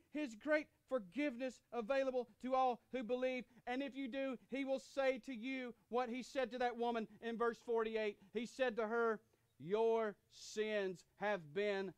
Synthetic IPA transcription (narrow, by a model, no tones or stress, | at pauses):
hɪzɡɹeɪt | fə˞ɡɪvnɨsəveɪlˠəbl̩ˠtʰɨɔlˠhʉbəlivɨ̃nɨfjɨdɨiwɪlˠseɪɾɨjɨwʌt̚hisɛd̚tɨðɨt̚wʊmə̃nɨ̃nvɜ˞sfɔɹɾieɪt̚hisɛd̚tɨə˞ | jə˞ | sɪ̃nz̥ɨvbɪ̃n